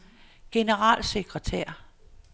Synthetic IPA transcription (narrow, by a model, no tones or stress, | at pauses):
ɡ̥e̝nəʁɑ̰̈ːlse̝ɡ̥ʁət͡sʰeɐ̰